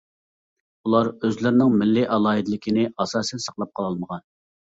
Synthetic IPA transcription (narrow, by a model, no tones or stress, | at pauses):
ulˠɑɾøzlɪɾnɪŋmɪlːɪʔɑlˠɑːɦid̪lɪkʲʰinɪɑsɑːsɛnsɑ̥qlˠɑp̚qʰɑlˠɑlˠməʁɑn